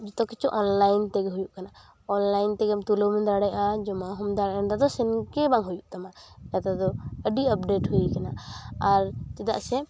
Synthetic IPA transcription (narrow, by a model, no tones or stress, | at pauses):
d͡ʒɔt̪ɔkɛt͡ʃɔʔɔnlajnt̪ɛɡɛɦujuʔkana | ɔnlajnt̪ɛɡɛmt̪ulomɛ̃d̪aɽɛjad͡ʒɔmaɦɔmd̪aɽnd̪ad̪ɔsɛnkɛbãŋɦujuʔt̪amajat̪ad̪ɔəɖiəpɖeʈɦuikanaaɾt̪ɛd̪a̰ʔsɛ